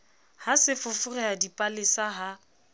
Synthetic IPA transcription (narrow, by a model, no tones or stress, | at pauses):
hasɪfʊfʊrɛadipʼalɪsaɦa